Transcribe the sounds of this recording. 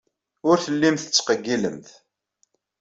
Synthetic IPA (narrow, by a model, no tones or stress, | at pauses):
ʊɾθəlːimθə̥t͡sːqəɡːilə̰mθ